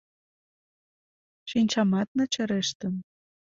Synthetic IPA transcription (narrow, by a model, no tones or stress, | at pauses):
ʃinʲt͡ɕɑmɑt̪̚nɤ̆t͡ɕə̆ɾeʃt̪ə̆n